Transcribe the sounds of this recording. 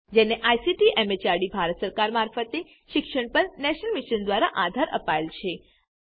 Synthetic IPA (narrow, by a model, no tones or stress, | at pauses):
d͡ʒeneʔajsiʈiʔemet͡ʃaɾɖibʱaɾət̪səɾkaɾmaɾfət̪e | ʃɪkʃəɳpəɳːɛʃnəlmiʃənd̪ʋaɾaʔad̪ʱaɾə̰paelt͡ʃʰe